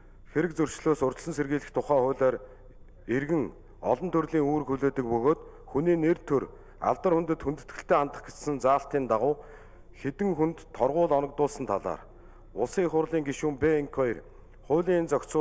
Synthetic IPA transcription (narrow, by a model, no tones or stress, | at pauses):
xeɾɘ̆k̚t͡sɵrʃɮoːsʊr̥ʲt͡ɕ̪̆sɵ̆nserɣiːɮɘ̆xt̪ʰʊχæːχʊ̟ːɮaːɾ | erɣɘ̆ŋ | ɔ̰ɮɞ̆nt̪ʰɵrɮiːŋuːɾ̆xuɮoːt̪ɘ̆k̚pɵɣoːt̪ | xuniːnert̪ʰɵr | a̰ɮt̪ə̆rxunt̪ɘ̆t̪xunt̪ɵ̆t̪ɡɘ̆ɬt̪eːant̪ə̆χɡet͡ssɘ̆nt͡saːɬt̪iːnt̪aʁʊː | xet̪ɘ̆ŋxunt̪ʰːɔrʁʊːɮɔnɞ̆kt̪ʊːɮsə̆nt̪ʰaɮa̰ːr | ʊsiːŋχʊrɮiːŋɡiʃuːmpeiŋkʰɔir | χʊːɮiːŋent͡sœkʲt͡sʊː